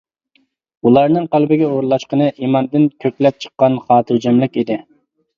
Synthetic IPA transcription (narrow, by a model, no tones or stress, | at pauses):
ulˠɑɾnɨŋqælbɪɡʲɛoɾlˠɑʃqənɨʔimɑnd̪ɪnkʲʰøkʲlɛp̚t͡ʃʰə̥qːɑnχɑːt̪ʰɨɾd͡ʒɛmlɪkʲid̪ɪ